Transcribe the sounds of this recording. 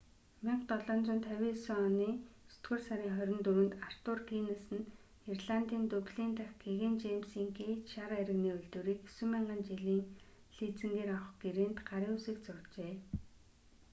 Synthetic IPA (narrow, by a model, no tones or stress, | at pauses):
meɴχt̪ɔɮɔːnt͡sʊːnt̪ʰœwʲiːsɔniːsɵ̥t̪ɡŭrsaɾʲiːŋχœɾʲɪ̆nt̪ɵɾɘ̆nt̪ar̥t̪ʊrɡinasɘ̆n | irɮant̪iːnt̪ɵpɮiːnt̪axɡeɣent͡ɕemsiːŋɡet͡ɕʃaɾaeɾɘ̆ɣniːɵɮt̪uːɾiːkesŭmiɴɢə̆nt͡ɕiɮiːn | ɬiːt͡sɘ̆nɡ̪eːɾaw̆ɡeɾeːnt̪ɢaɾiːusiːkt͡sʊrt͡ɕeː